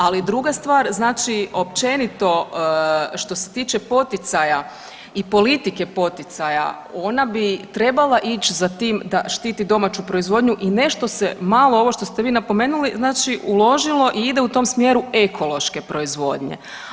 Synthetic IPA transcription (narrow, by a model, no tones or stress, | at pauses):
alid̪ɾuɡast̪ʋaːɾznaːt͡ʃiop̚t͡ʃe̞nit̪o̞ | ʃt̪o̞se̞̥t̪iːt͡ʃe̞po̞t̪it̪saja | ipo̞lit̪ike̞po̞t̪it̪saja̰ | o̞nabit̪ɾe̞balˠaʔit͡ʃzat̪iːmd̪aʃt̪iːt̪id̪o̞mat͡ɕupɾo̞izʋo̞d̪ɲuʔine̞ʃt̪o̞semalˠoo̞ʋo̞ʃt̪o̞st̪e̞ʋiːnapo̞me̞ːnuliznaːt͡ʃiulˠo̞ʒilˠo̞ʔiid̪e̞ut̪omsmjeɾuekʰo̞lˠo̞ʃke̞pɾo̞izʋo̞̰ːd̪ɲḛ